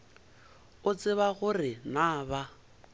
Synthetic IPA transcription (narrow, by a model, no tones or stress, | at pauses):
ʊt͡sʼɪβaɣʊrɪnaːba